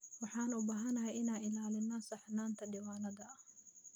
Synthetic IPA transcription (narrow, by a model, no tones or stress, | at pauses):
wɑħɑːnʊbaːɦɐnɐɦɛjɪnaːnɪlaːlɪnːɐsɐħnaːnt̪ʰɐɖiːwaːnɐðɐɐh